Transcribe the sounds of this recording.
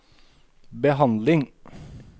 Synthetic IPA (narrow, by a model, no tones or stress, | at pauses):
bəɦɑnd̪lɪŋ